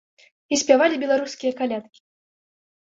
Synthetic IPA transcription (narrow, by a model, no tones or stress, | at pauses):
isʲpʲavalʲibʲɛlˠaɾuskʲijɐkalʲat̪kʲi̥